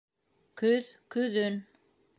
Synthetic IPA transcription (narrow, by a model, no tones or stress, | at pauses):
kɵðkɵ̆ðɵn